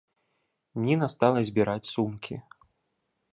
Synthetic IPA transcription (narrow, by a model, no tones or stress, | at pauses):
mnʲɛnast̪alˠɐzʲbʲiɾat͡sʲsumkʲʰḭ